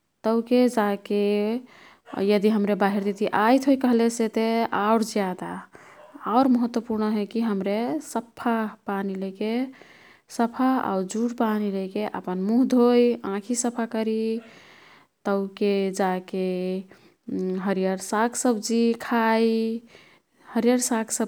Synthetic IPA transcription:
t̪əʊked͡ʒake | jəd̪iɦəmɾebaɦiɾd̪it̪iʔajt̪ʰɦojkəɦleset̪eaʊɾd͡ʒjad̪aː | ʊɾməɦət̪wəpuɾnəɦɛkiɦəmɾesəpʰːapanileke | səpʰaa̰ʊɾd͡ʒuɽpanilejkeʔə̰pənmuɦd̪ʱojãkʰisəpʰakəɾi | t̪əʊked͡ʒake | ɦəɾijəɾsakʰsəbd͡ʒikʰaj | həɾjəɾsakʰsə

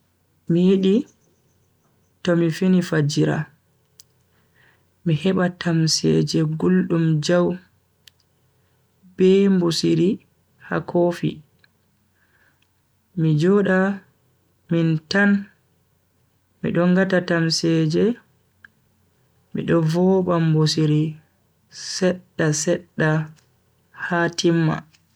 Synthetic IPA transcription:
mijiɗi | tɔmifinifad͡ʒiɾa̰ | mihɛɓatʰamsɛ̰d͡ʒɛɡulɗumd͡ʒaw | b̥ɛmbusiɾi | ha̰kʰoːfḭ | mid͡ʒɔɗa | mintan | mḭɗɔŋɡatatamsɛːd͡ʒɛ | mḭɗɔvɔɓambusiɾi | sɛɗːasɛɗːa | hatʰimːa̰

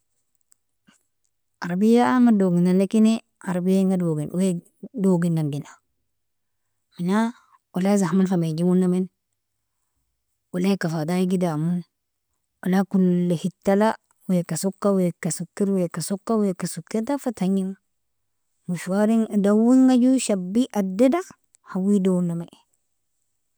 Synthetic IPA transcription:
aɾbijaamadoɡinːanekine | aɾbijaŋɡadoɡinwe | doɡinːaŋɡina | mina | walazahmanfamed͡ʒiwunːamin | walakafadajiɡidamun | wʔalakulːehitːala | wekasokːawekasukːiɾwekasokːawekasukːetafataɲiŋ | muʃwaɾiŋdawiŋɡaɟuʃabiʔadːeda | hawidouname

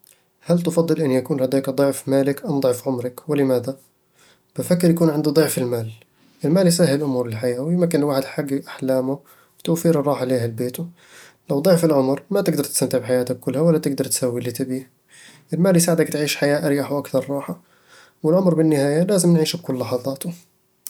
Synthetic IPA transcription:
halt̪fɑd̪ˤːɨlʔɪnːjakuːnhad̪aːkd̪ˤɨʕfmaːlɪkʔamd̪ˤʕfʕʊmɾɑkwɪlɪmaːd̪a | b̥ɪfakːɪɾjakuːnʕɪnd̪ud̪ˤɨʕfɪlmaːl | ʔɪlmaːlis̬ahɪllʔʊmuːɾˤɪlħajaːwjɪmkːɪnlwaːħɪd̪ħaɡːʔaħlaːmʊ | wt̪awfiːɾrˤːɑːħaleːhalbeːt̪u | lawd̪ˤoʕfɪlʕʊmɾmat̪ɪɡ̚d̪ɑɾˤt̪ɪst̪amt̪ɪʕbħajaːt̪akkːʊlːhawalːat̪ɪɡd̪ɑɾˤt̪sawːilit̪ɪbiːh | ʔɪlmaːlːisaːʕɪd̪akt̪ʕiːʃħajaːʔaɾjaħwʔakθɑɾˤɑːħa | wɪlʕʊmɾbɪnːɪhaːjalaːzɪmnʕiːʃakʊlːɑħɑðˤɑːt̪ʊ

